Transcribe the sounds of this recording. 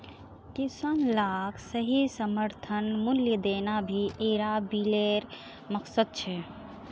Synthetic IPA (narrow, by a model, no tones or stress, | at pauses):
kisanlaːkʰsəɦisəməɾt̪ʰənmuljəd̪enabʱiʔeɾabileɾ | məksəd̪̚t͡ʃʰɛ